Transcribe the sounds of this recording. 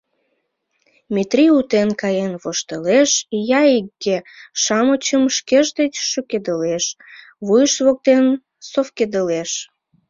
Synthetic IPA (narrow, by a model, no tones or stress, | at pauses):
met̪riut̪enkɑjenβoʃt̪əleʃjɑikːeʃɑmət͡ɕəmʃkeʒd̪et͡ɕʃøked̪əleʃ | βujəʃβok̚t̪en | sofked̪əleʃ